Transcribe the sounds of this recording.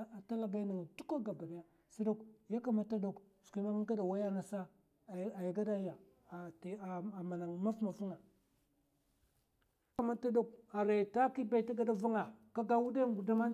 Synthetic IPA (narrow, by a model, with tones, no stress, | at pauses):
a˨ta˦la˨ɡa˦na˨ŋ˨du˦ka˦ɡa˨ba˨da˨ja˦ | si˦do˦kja˦ka˦ma˨ta˦do˦k | sʷi˨˦ma˦m˦ɡa˦da˨wa˦ja˦na˨sa˦˨˦ | a˨ja˨ɡa˦da˦ja˨ | ta˨a˨ma˨na˨ŋma˦fma˨vu˦ŋa˨˦ | a˦ma˦ta˦do˦k̚a˨ɾa˨ta˦ki˦ba˦i˨ta˦ɡa˦da˦vu˦ŋa˨ka˦ɡa˦wu˦da˦ɡu˨da˦ma˦